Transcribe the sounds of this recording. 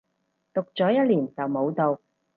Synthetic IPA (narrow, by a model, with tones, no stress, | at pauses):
t̪ʊ˨k̚t͡sɔː˨˥jɐ˥t̚liː˨˩nt͡sɐ˨wmo˨˧wt̪o˨w